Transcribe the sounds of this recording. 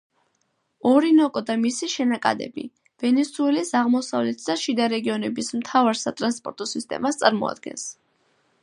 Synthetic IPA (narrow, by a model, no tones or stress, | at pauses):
ɔɾinɔkʼɔd̪amisiʃɛnakʼa̰d̪ɛ̰bḭ | v̥ɛnɛsuɛlisaʁmɔsavlɛt̪ʰd̪aʃid̪aɾɛɡiɔnɛbismt̪ʰavaɾsat̪ʼɾanspʼɔɾt̪ʼɔsist̪ʼɛ̰mast̪sʼaɾmɔ̰a̰d̪̥̚ɡɛ̰ns